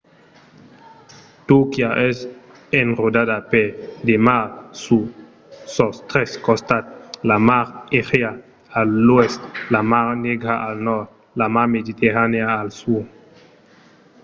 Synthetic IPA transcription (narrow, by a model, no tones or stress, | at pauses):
t̪ukjaʔɛs | enrodadaped̪emasu | sɔst̪ɾɛskɔst̪at̪̚lamaɾeʁea | alːwɛst̪lamaneɡɾaʔalnɔt | lamamedit̪eʁaneaːlsuɾ